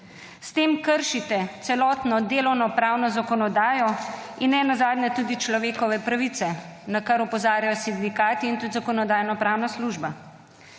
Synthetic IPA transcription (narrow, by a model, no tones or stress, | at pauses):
st̪eːmkəɾʃit̪ɛt̪sɛlɔːt̪nɔd̪eːlɔwnɔpɾaːwnɔzakɔnɔd̪aːjɔinːɛnazaːd̪nɛt̪uːd̪it͡ʃlɔʋeːkɔʋɛpɾaʋit̪sɛnakaɾɔpɔzaːɾjajɔsind̪ikaːt̪iːnt̪ud̪zakɔnɔd̪aːjnɔpɾaːwnasluʒba